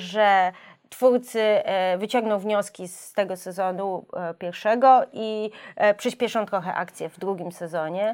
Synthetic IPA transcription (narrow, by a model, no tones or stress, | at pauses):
ʐɛt̪fuɾt̪sɘvɘt͡ɕɔ̃ŋɡnɔ̃w̃vɲɔskʲist̪ɛɡɔsɛzɔnupʲjɛɾfʂɛɡɔʔipʂɘɕpʲjɛʂɔ̃w̃t̪ɾɔxɛ̰ʔa̰kt̪sʲjɛvd̪ɾuɡʲimsɛzɔɲɛ